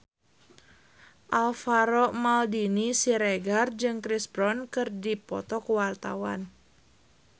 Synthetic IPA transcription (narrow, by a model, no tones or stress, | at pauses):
ʔalfaɾɔmaldinisiɾeɡard͡ʒɨŋkɾisbɾɔnkɨrdipɔ̰t̪ɔkuwart̪a̰wa̰n